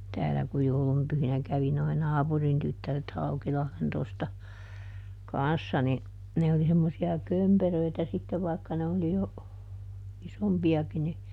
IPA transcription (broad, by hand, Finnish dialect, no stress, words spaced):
tæːlæ ku joulum pyhinæ kæʋi noi nɑːpurin tytːæret hɑukilɑhlen tostɑ kɑnsːɑ ni ne oli semːosiɑ kømperøitæ sitːeʋ ʋɑikːɑ ne oli jo isompiɑki ni